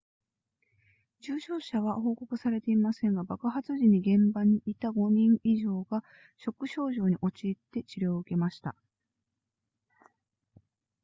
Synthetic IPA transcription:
d͡ʑɨːɕo̞ːɕaβ̞aho̞ːko̞kɯ̟saɾe̞t̪e̞imasẽ̞ŋɡabakɯ̟ɦat͡sɨʑiɲ̟iɡẽ̞mbaɲ̟iit̪aɡo̞ɲĩɴiʑo̞ːɡa | ɕo̞kːɯ̟ɕo̞ːʑo̞ːɲ̟iʔo̞t͡ɕiːt̪ːe̞t͡ɕiɾʲoːɯ̟ke̞maɕi̥t̪a̰

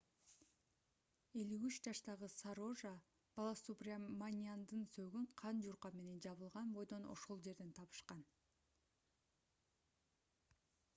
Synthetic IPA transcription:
e̞lyyt͡ʃd͡ʒɑʃt̪ɑʁɯsaɾo̞ʒa | b̥ɑlˠasuprʲamanʲiand̪ɯnsøɡyɴqʰɑnd͡ʒuɾqɑme̞ne̞nd͡ʒɑβɯlˠʁɑnbo̞jd̪o̞no̞̰ʃo̞lˠd͡ʒe̞ɾd̪e̞nt̪ʰɑβɯ̥ʃqɑn

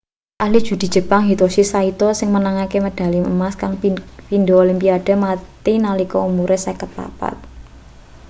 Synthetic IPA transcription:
ʔahlid̥ʒ̥ṳd̪̥i̤dd͡ʒ̥ə̤paŋɦit̪osisait̪ɔsɪŋmənaŋakeməd̥a̤limə̰maskaŋpind̪oolimpiad̥a̤mat̪inalikɔumuɾesekət̪̚pa̰pa̰t̪̚

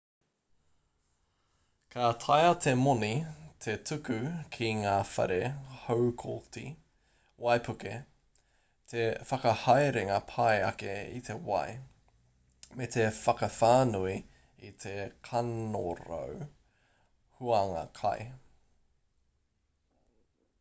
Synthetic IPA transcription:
kʰat̪ʰɐjɐt̪ʰemonit̪ʰetʰʉkʉkʰiŋaːfɐ̰ɾehowkʰoltḭ | wɐjpʰʉke | tʰefɐkɐhajɾeŋɐpʰɐjɐ̰keḭt̪ʰe̞wɐ̰j | met̪ʰefɐkɐfaːnui | it̪ʰekʰɐno̰ɾo̰w | huaŋɐ̰kʰɐ̰j

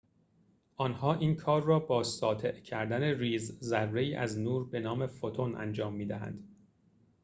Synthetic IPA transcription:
ʔɒnhɒːʔiːnkʰɒːrːɒːbɒːsɒːt̪ʰe̞ʔcʰæɾd̪æneriːzzærːe̞iːʔæznuːɾbe̞nɒːme̞fot̪ʰonʔæ̰nd͡ʒɒːmːiːd̪æɦæ̰nd̪

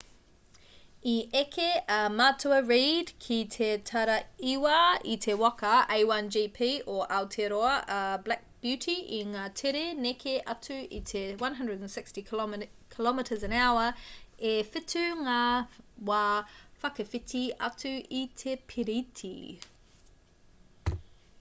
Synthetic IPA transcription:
iʔekʰeɐmatʰuəɹiːdkʰitʰetʰaɾɐiwaitʰewakʰɐeɪwɐnd͡ʒiːpʰiːʔoʔaltʰeɾoɐʔɐblæk̚b̥jʉtʰiʔiŋatʰeɾenekʰeʔɐtʰuḭtʰewɐ̃nɦɐ̃ndɹədnsɪkstikʰɪlɔmɪtʰəzə̃nawəefɪtʰʉŋawafɐkɐfɪtʰiɐ̰tʰʉitʰepʰiɾitʰḭ

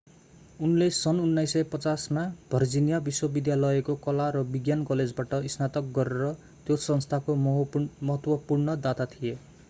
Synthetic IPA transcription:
unlesʌnunːajsːʌjpʌt͡sasmab̥ʱʌrd͡zinijabiswʌbid̪jalʌjekokʌlaɾʌbiɡjankʌled͡zbaʈʌisnat̪ʌk̚ɡʌɾeɾʌ | t̪josʌnst̪ʰakomʌɦʌt̪wʌpurnʌd̪at̪at̪ʰije

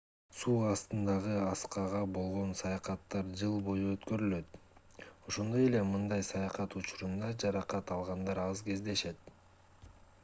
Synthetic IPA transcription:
suːɑst̪ɯnd̪ɑʁɯɑsqɑʁɑbo̞lˠʁo̞nsɑjɑqɑt̪ːɑɾd͡ʒɯlˠbo̞juøt̪kø̞ɾylø̞t̪ | o̞ʃo̞nd̪o̞je̞le̞mɯnd̪ɑjsɑjɑqɑt̪ut͡ʃuɾund̪ɑd͡ʒɑɾɑqɑt̪ɑlˠʁɑnd̪ɑɾɑzɡe̞zd̪e̞ʃe̞t̪̚

